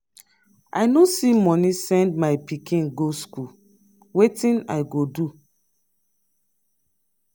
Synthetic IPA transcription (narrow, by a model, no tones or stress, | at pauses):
a̰ɪnosimɔnisɛ̃ndmaɪpikʰĩnɡosku | wetĩna̰ɪɡodu